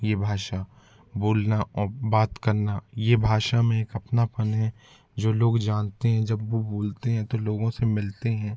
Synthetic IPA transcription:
jebʱaːʃa | boːlnaɔːɾbaːt̪kɐɾnajebʱaːʃamẽeːkɐpnapɐnɦɛ̃ | d͡ʒoːloːɡd͡ʒãːnt̪eɦɛ̃d͡ʒɐbʋoboːlt̪eɦɛ̃t̪oloːɡõsemɪlt̪eɦɛ̃ː

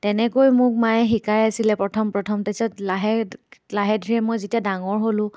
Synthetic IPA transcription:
tɛnɛkojmʊkmajɛxikajasilɛpɹɔtʰɔmpɹɔtʰɔmtasalaɦɛlaɦɛdʱiɹɛmojzetiadaŋɔɹɦolʊ̃

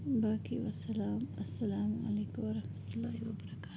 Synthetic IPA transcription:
baːkiwɐsɐlaːmɐsːɐlaːmɐ̰leːkwɐɾɐhmɐt̪ulːaːhiwɐbɐɾɐkaː

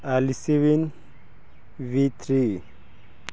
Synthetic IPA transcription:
alisiwin | vit̪ʰɾi

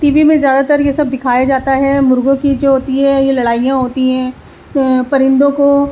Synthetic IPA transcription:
ʈiːbimẽzjaːd̪at̪ɐɾjesɐbd̪ɪkʰaːjad͡ʒaːt̪aɦɛmʊɾɡõkid͡ʒoːɦoːt̪iɦɛ̃jelɐɽaːijãɦoːt̪iɦɛ̃ː | pɐɾɪ̃nd̪õko

